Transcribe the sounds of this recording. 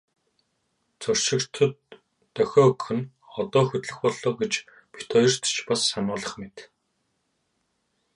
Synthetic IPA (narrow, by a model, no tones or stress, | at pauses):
t͡sɵr̥ʃɪ̆kt̪ʰɵ̆t̪ː | œxʲɔːkxɵ̆n | ɔt̪ɔːxɵt̪ɮɘ̆xpɔɮoːɡet͡ɕ | pit̪ʰɔjɞ̆r̥t̪t͡ɕpasːanʊːɮə̆χmet̪